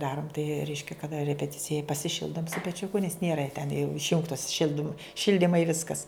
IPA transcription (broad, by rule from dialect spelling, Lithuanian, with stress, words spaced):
ˈdɑːrʊm tɐɪ ˈrʲɛɪʃʲkʲɛ kɐˈdɐ rʲɛpʲɛˈtʲɪt͡sʲɪjɛ pɐsʲɪˈʃʲɪlˠdʊm sʊ pʲɛˈt͡ʃʲʊkʊ nʲɛs ˈnʲeːrɐ tʲɛn jɛʊ ɪʃʲˈjʊŋktoːs ˈʃʲɪlʲdʲɪm ˈʃʲɪlʲdʲɪmɐɪ ˈʋʲɪskɐs